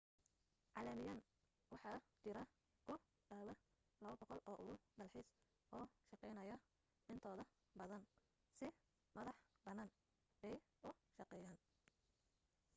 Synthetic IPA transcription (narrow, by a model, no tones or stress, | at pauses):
ʕɑlɐmɪjaːn | wɑħɑːt͡ʃɪɾɐ | kʰʊ | ɖaːwɐ | lɐβɐbɔqɔlɔːʔʊɣʊɖɐlħɪs | ʔɔːʃɑqɛjnɐjɐ | ɪnt̪ʰɔːðɐ | bɐðɐn | sɪ | mɐðɑħbɐnɐn | bɛj | ʊʃɑqɛjaːn